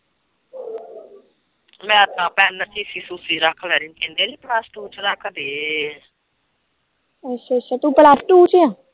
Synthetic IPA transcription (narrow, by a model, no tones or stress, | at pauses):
mɛ̃ːt̪ãːpɛːnət͡ʃiːsiːsuːsiːɾəkʰlɛːɾĩːnk̪end̪eːd̪iːplaːsʈuːt͡ʃɾəkʰd̪eː | ət͡ʃːat͡ʃːaːt̪ũːplaːsʈuːt͡ʃjãː